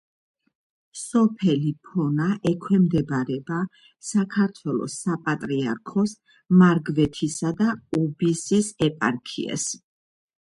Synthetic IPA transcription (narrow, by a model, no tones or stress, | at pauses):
sɔpʰɛlipʰɔnaʔɛkʰwɛmd̪ɛbaɾɛba | sakʰaɾt̪ʰwɛlˠɔ̰sapʼat̪ʼɾia̰ɾkʰɔs | maɾɡvɛt̪ʰisad̪aɔbisisɛpʼa̰ɾkʰḭɛ̰s